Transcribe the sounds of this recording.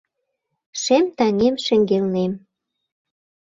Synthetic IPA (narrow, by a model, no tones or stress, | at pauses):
ʃemt̪ɑŋemʃĕŋɡelnem